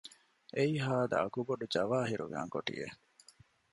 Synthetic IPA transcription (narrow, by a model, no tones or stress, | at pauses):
eiɦaːd̪ɐ̰ɐkuboɖud͡ʒɐʋaːɦiɾṵɡæ̰ːŋkoʈḭjḛ